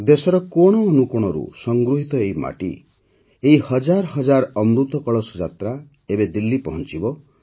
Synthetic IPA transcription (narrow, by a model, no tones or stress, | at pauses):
d̪esɔɾɔkoɽ̃ɔːnukuɽ̃ɔɾṵsɔŋɡɾuɦit̪ɔeima̰ʈḭ | eɦihɔd͡ʒaɾɔɦɔd͡ʒaɾɔmɾut̪ɔkɔɭɔsɔd͡ʒat̪ɾa | ebed̪ilːipɔɦɔnt͡ʃibɔ